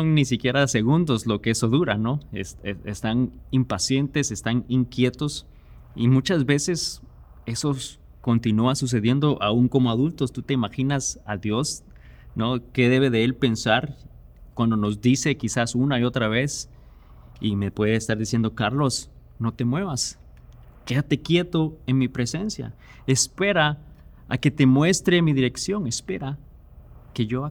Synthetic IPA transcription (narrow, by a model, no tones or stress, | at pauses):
sonnisikje̞ɾase̞ɣund̪o̞zlo̞keeso̞ðuɾano̞eseest̪animpasje̞nt̪e̞sest̪aniŋkje̞t̪o̞s | imũt͡ʃazβe̞se̞s | e̞so̞ | ko̞nt̪inuasus̬e̞ðje̞nd̪o̞ʔauŋko̞moaðult̪o̞st̪ut̪e̞imaxinasaðjo̞s | no̞ke̞ðe̞β̞e̞ðe̞e̞lpe̞nsaɾ | kwand̪ono̞zd̪ise̞kisasunaio̞t̪ɾaβ̞e̞s | ime̞pwe̞ðeːst̪aɾðisjend̪o̞kaɾlo̞s | no̞t̪e̞mwe̞βas | ke̞ðat̪e̞kje̞t̪o̞e̞nmipɾe̞se̞nsja̰ | espe̞ɾa | a̰ke̞t̪e̞mwe̞st̪ɾemiðiɾe̞ksjo̞ŋe̞spe̞ɾa | ke̞ʝo